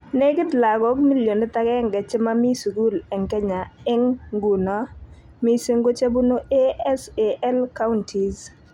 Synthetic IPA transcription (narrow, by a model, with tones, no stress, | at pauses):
ne˦ɡɪ˦d̪la˨ɡɔ˦kmi˦ljo˨ne˦t̪a˦kɛ˦ŋɡɛ˨t͡ʃɛ˦ma˦mi˦su˨ku˦lɛ˨ŋkɛ˦ɲa˨ɪ˦ŋɡu˨nɔ˦ | mi˦se˦ŋɡo˦t͡ʃe˦bu˦no˦ʔe˦ɛ˦se˨ʔɛ˦lka˦ʊ˦ntʰi˨z